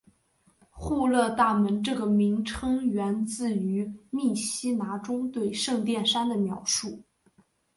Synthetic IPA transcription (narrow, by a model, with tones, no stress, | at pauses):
xu˥˧lɤ˥˧t̪a˥˩mə˧˥nʈ͡ʂɤ˥˩ɡə˩mi˧˥ŋʈ͡ʂʰɤ˥ŋɥɛ˧˥nt͡sɹ̩˥˩y˧˥mi˥˩ɕi˥na˧˥ʈ͡ʂʊ˥ŋt̪we˥˧ɪʂɤ˥˧ŋt̪jɛ˥˩nʂa˥nd̪ə˨mjɑ̰˧˥ʊʂu˥˩